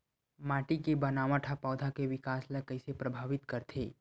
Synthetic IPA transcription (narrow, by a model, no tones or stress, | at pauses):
maːʈikibɐnaːmãʈʰapaːd̪ʱakeʋɪkaːslakɐɪsepɾɐbʱaːʋɪt̪kɐɾt̪ʰḛː